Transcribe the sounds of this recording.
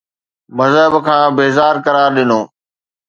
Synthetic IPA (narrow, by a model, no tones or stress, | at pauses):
məzəɦbkʰãːbeːzaːɾkɐɾaːɾɗɪnoː